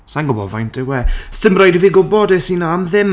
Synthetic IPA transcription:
saŋɡʊbɔ̰va̰jntɪwɛstɪmrajdiviɡʊbɔdesinamðɪm

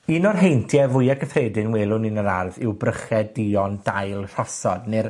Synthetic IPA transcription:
iːnɔrɦejntʰjɛvʊjaɡəfreːdɪnweːlˠʊnɪnəɾarðɪwbrəχɛdiɔnd̥ajlˠɬɔsɔdnɪr

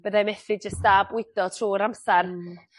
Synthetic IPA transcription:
b̥əðajmɛθɨd͡ʒəstabwɪdɔtʰruːɾamsar

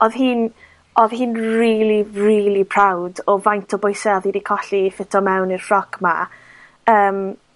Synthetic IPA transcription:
ɔðɦiːn | ɔðhiːnriːlˠiriːlˠipʰrawdɔvajntʰɔbʊjsɛðidikʰɔɬifɪtʰɔmɛwnirrɔɡma̰ | əːm

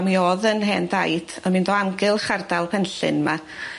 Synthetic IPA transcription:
miɔðənɦɛːndajd̥amɨndoːaŋɡɨlˠχardalˠpʰɛnɬɨ̰nma

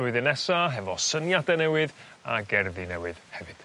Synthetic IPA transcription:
ʊɨðɨnɛsaɦɛvɔsənjadɛnɛwɨð | a̰ɡɛrðinɛwɨð̥hɛvɨd̥

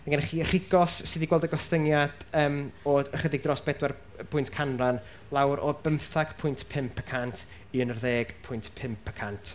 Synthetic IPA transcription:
maɡɛnɛχiːər̥ɪɡɔsːɪdiɡwɛlˠdəɡɔstənjad̥əːmɔəχədɪɡ̚drɔsb̥ɛdwɛr | pʰʊɨntkʰanran | lˠawɾʔɔbəmθaɡ̥pʰʊjntʰpʰɪmpʰəkʰantʰ | iənərðeːɡ̥pʰʊjntpʰɪmpʰəkʰantʰ

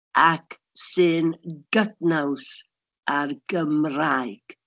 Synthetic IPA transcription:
ak | sɨnɡ̥ətnaws | arɡ̥əmrajɡ̥

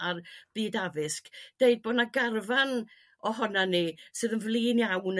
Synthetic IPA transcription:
arb̥iːdavɨskd̥eɨd̚boːdnaɡarvan | ɔhɔnanisɨːðənvlˠiːnjawn

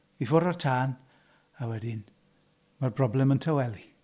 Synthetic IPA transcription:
ivoɾɔrtʰaːn | awɛdɪn | marbrɔblɛməntʰawɛlˠi

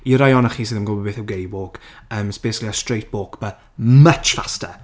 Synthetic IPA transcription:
iɾajɔnəχiːsiːðəmɡɔlˠbɔbeːθəwɡejwoːkəːməsb̥eːsɪkliəstrejt̚b̥oːkb̥ə | mət͡ʃfastə̰

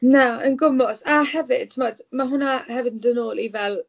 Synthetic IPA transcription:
naə̰nɡʊmɔsahɛvɪd̥tʰəmɔdmaɦʊnahɛvɨdndənoːlˠivɛlˠ

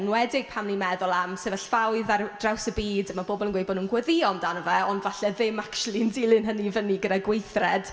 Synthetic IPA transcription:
nwɛdɪɡ̥̚pʰamnimɛðʊlˠamsevəɬfawɨðard̥rawsəbiːdmaboːbɔlˠənɡwejbɔdnuːnɡwəðiɔmdanəvɛɔndvaɬɛðɪmakt͡ʃulˠindilˠɪnɦənivəniɡədaɡwejθrɛd̥

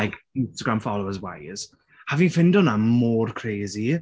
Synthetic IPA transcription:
ajkɪnstaɡɾamfɔlowəzwa̰jz̥ | havinfɪndɔnamɔːrkʰreːzi

